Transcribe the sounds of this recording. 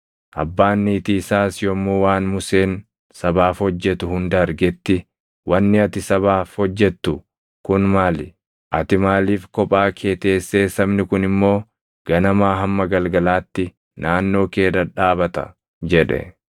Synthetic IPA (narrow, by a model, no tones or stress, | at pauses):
ʔɐ̰bːaːnːiːt̪iɪsaːsjɔmːuːwaːnmʊse̞ːn | sɐbaːfhɔd͡ʒːɛt̪ʊhʊnd̪ɐɾɡɛt̪ːɪ | wɐnːɪɐt̪ɪsɐβaːfhɔd͡ʒːɛt̪ːʊ | kʊnmaːlɪ | ʔɐt̪ɪmaːliːfkɔpʼaːkʰe̞ːt̪e̞ːsːe̞ːsːɐbnɪkʊnɪmːo̞ː | ɡ̥ɐnɐmaːɦɐmːɐɡɐlɡɐlaːt̪ːɪ | nʔaːnːo̞ːke̞ːdɐᶑaːbɐt̪ɐ̰ | d͡ʒɛᶑɛ̰